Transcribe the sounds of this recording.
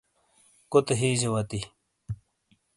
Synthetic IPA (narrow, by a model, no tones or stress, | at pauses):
kot̪eɦiːʑewɐt̪i